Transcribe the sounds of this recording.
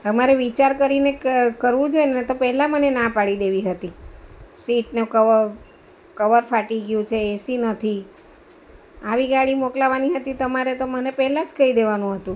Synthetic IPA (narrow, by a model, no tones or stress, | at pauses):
t̪əmaɾeʋit͡ʃaɾkəɾinekəɾʋũd͡ʒoenet̪opɛɦlamənenapaɭid̪eʋiɦət̪isiʈnukə | kəʋəɾfaʈiɡjũt͡ʃʰeːsinət̪ʰi | aʋiɡaɭimoklaʋaniɦət̪it̪əmaɾet̪omənepɛɦɛlad͡ʒkəid̪eʋanũɦət̪ũ